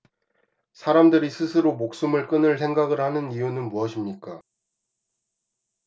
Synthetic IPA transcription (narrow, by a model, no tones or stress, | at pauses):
sʰaɾamdɯɾisʰɯsʰɯɾomok̚s͈ɯmɯɭk͈ɯnɯɭsʰe̞ŋɡaɡɯɭhanɯnijunɯnmuʌɕʰimɲik͈a